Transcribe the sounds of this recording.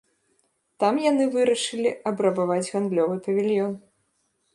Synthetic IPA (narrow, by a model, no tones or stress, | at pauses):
t̪amjanɨvɨɾɐʂɨlʲiʔɐbɾɐbavad͡zʲɣand̪lʲɔvɨpɐvʲilʲjɔn